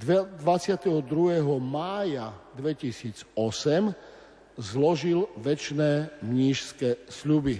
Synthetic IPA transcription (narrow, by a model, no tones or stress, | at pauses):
d̪ʋat͡sɪat̪ɛɦɔd̪ɾuɦɛːɦɔmaːjad̪ʋɛcisiːd͡zɔsɛm | zlɔʒilʋɛt͡ʃnɛːmɲiːʃskɛsʎubi